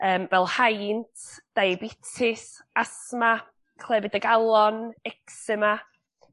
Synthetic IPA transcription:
əːmvɛlˠhajntʰd̥ajbɪtʰɪs | asma | kʰl̥ˠɛvɪdəɡalˠɔnɛksɪma

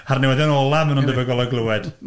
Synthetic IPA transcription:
arniwɛðanɔlˠamənundəvəɡɔlˠɔɡlˠəwɛd̥

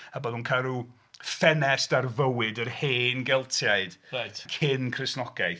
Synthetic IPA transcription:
əbɔðunkʰaɾu | fɛnɛsdarvəwɪdərheːnɡɛlˠtʰjaɨd̥rajtkʰɪnkʰrɪsnɔɡajθ

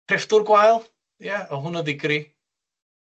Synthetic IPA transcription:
rɪfdʊrɡwajlˠ | jaɔɦʊnəðɪɡɾi

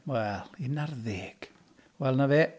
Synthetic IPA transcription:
wɛlˠɪnarðeːɡ̥ | wɛlˠnaveː

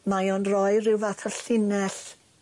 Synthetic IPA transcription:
majɔnrɔjrɪwvaθʰaɬɪnɛɬ

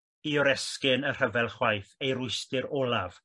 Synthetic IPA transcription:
iɔɾɛskɪnər̥əvɛlˠχwajθejɾʊɨstɨɾɔlˠav̥

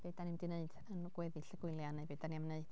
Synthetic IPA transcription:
b̥ed̥anɪmdineɨd̥ənɡ̥wɛðɪɬəɡ̥ʊlˠjanebedanimneɨd̥

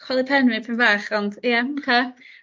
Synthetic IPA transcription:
kʰwɛlˠɪpʰɛnwɪpʰɪnvaːχɔnd̥jɛkʰe

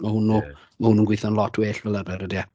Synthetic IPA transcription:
mahʊnu | mahʊnunɡwɪθanlˠɔtʰweːɬvɛlˠəbɛɾədia

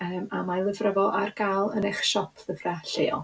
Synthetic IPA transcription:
əːmamalˠəvrəvɔʔarɡ̥alˠəneχʃɔpʰðəvraɬḛɔ̰

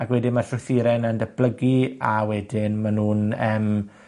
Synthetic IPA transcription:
akwɛdɪmarɬrʊθiɾɛnandəb̥ləɡiawɛdɪnmanuːnəːm

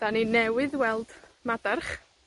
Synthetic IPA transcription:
d̥aninɛwɪðwɛlˠd̥madarχ

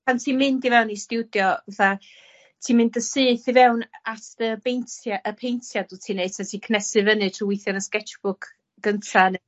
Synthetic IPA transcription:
pʰantʰiːmɪndivɛwnistuwdjɔvaθa | tʰiːmɪndəsɨːθivɛwnatəbejntʰjaʔəpʰejntʰjaduːtʰiːneɨ̥tʰatʰiːkʰnɛsɨvənɨtʰriwɪjθjɔnəskɛt͡ʃb̥ʊkʰ | ɡ̥əntʰan

